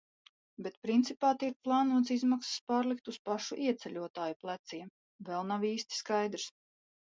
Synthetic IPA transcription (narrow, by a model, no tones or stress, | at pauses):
bɛt̪pɾint̪sipaːt̪iɛk̚plˠɑːnuɔt̪sizmaksspaːɾlik̚t̪uspaʃṵʔiɛt̪sɛlʲuɔt̪aːjuplˠæt̪siɛm | vɛlˠnaviːst̪i̥skajd̪ɾs